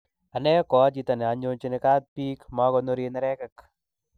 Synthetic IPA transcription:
a˨nɛ˦kɔ˨a˦t͡ʃi˨˦ta˨ne˨a˨ɲo˦ɲt͡ʃi˦nɪ˨ka˦t̪̚piː˦kma˦kɔ˦no˦ɾe˧n˦ɾɛ˦ka˨k

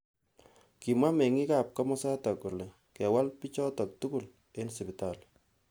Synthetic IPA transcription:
ki˨mwa˦me˨ŋi˦ka˨p̚kɔ˦mɔ˦sa˦tɔ˨ko˨le˨ | kɛ˨wa˦lpi˦t͡ʃɔ˦tɔ˨k̚tuku˦˨l | e˦nsi˨pi˨ta˨l

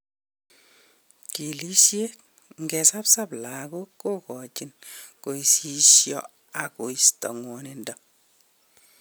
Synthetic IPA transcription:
ki˨li˦ʃje˦k̚ | ŋɡɛ˨sa˦psa˦bla˨ko˦kːo˦kɔ˨t͡ʃinko˨isi˦ʃjɔ˦ | a˨ko˨istɔ̰˨ŋwɔnendɔ

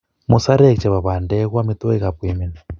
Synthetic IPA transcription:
mu˨sa˦ɾɛ˦˨kt͡ʃɛ˨βa˨βa˨ndɛ˦ɣwa˦mi˦t̪ɔ˦ɛ˦ɣa˨pwi˨mi˨nɛ˨

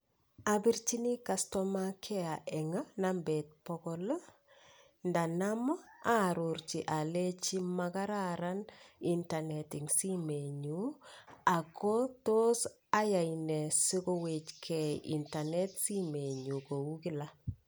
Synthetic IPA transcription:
a˨bi˦ɾt͡ʃi˦ni˦ka˨stɔ˦makʰɛ˦a˨ʔɛ˨ŋa˦na˦mbɛ˨t̚pɔ˦kɔ˦l | nda˨na˦m˦a˦˨ɾu˨ɾt͡ʃi˨ʔa˨le˦t͡ʃi˦maka˦ɾaɾa˦ni˦nta˨nɛtɪ˨ŋsi˦me˨ɲu˨a˨ko˦to˦s | a˦ja˨inɛ˨sɪ˦kɔ˦we˨t͡ʃkʰɛ˨ḭ˨nta˨nɛ˦tsi˦me˨ɲu˨ko˨u˦kɪ˦la˦

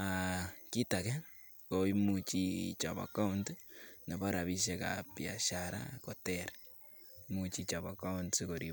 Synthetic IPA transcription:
a˨ki˦takɛ˦ | kɔ˨i˦mu˨t͡ʃit͡ʃa̰˨ba̰˨ka˦ʊntnɛ˨ba˦ɾa˨βi˦ʃeka̰pja̰˨ʃaɾa̰kɔ˨tɛɾ | mut͡ʃit͡ʃa˨ba˨ka˦ʊntsiko˨ɾi˨

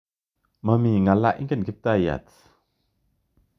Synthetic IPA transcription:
ma˧mi˨ŋa˨la˦ʔḭ˦ŋkə˦˨nkʰi˦p̚t̪a˦˧˨ja̰˨t

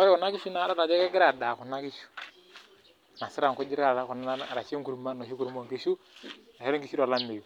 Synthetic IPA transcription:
ɔ˦ɾɪ˦ku˨na˦ki˦ʃu˦na˨˦da˦ɾa˨d͡ʒɛ˦kɛ˦ɡɪ˦ɾa˨da˨ku˨na˦ki˦ʃu̥˦ | na˨si˦ɾa˨ŋku˦d͡ʒi˦ɾa˨ɾa˨˦ku˨na˦a˦˨ɾa˨t͡ʃi˦ŋku˨ɾma˦no˨ʃi˦ku˦ɾu˦mo˦˨ŋki˦ʃu˦na˨e˦ɾi˦ki˦ʃu˦ɾo˨la˦mi˨ju˨

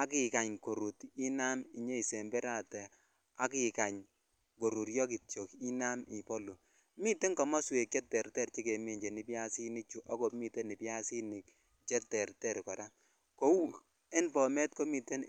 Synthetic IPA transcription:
a˦kɪ˨ka˨ɲko˨ɾu˨ti˦na˦mi˨ɲe˦i˨sɛ˨mbɛ˦ɾa˦˨tɛ˨ | a˦kɪ˨ka˨ɲ | ko˨ɾu˨ɾjɔ˦ki˨tjo˨ki˦na˦mi˨pɔ˦lu˨ | mi˦te˦ŋkɔ˨mɔ˦swe˨k̚t͡ʃɛ˦tːɛ˨ɾtɛ˦˨ɾt͡ʃi˦ke˨mi˨ɲd͡ʒe˨ni˨pja˦si˦nɪ˦t͡ʃu˨ʔɔ˦ko˨pmi˦te˦ni˨pja˦si˦nɪ˨k | t͡ʃɛ˦tːɛ˨ɾtɛ˦˨ɾkɔ˨ɾa˦ | ko˦wu˦˨ | e˦npɔ˨mɛ˦t̚ko˦mi˨te˦n

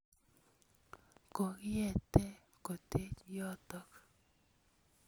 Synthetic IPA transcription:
ko˨kɪ˦jɛ˨t̪ɛ˦ | ko˨t̪e˦t͡ʃjɔ˦t̪ɔ˦k

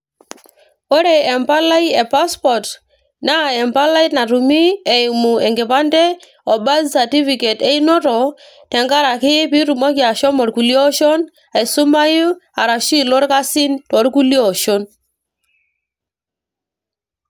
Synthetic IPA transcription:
o˦ɾe˨ɛ˨mpa˦la˦i˦e˨pa˦spɔ˨t | na˦˨ɛ˨mpa˦la˦i˦tna˨ɾu˨mi˦ɛ˨ɪ˨mu˨ɛ˨ŋɡe˨pa˦ndɛ˦ | ɔ˨ba˦ssa˨ti˦fi˨ke˨te˦i˦nɔ˦ɾɔ˨ | tɛ˨ŋɡa˦ɾa˨kɪ˦pi˦ɾu˨mɔ˦kja˨ʃɔ˦mɔ˨ɾku˨li˦ɔ˦ʃo˦n | a˨i˨sʊ˦ma˦ju˦a˨ɾa˨ʃi˦lo˦ɾka˦si˦ntɔ˨˦ɾku˦li˦ɔ˨ʃo˦n

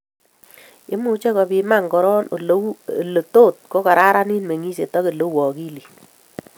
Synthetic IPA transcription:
ɪ˦mu˦t͡ʃe˦kɔ˨pi˧ma˦˨ŋkɔ˦ɾɔ˦no˨llo˨to˦˨t̚ko˦ka˨ɾa˦ɾa˦ni˦nme˨ŋi˦se˨tɔ˦ke˨lo˦wɔ˨ki˦li˨

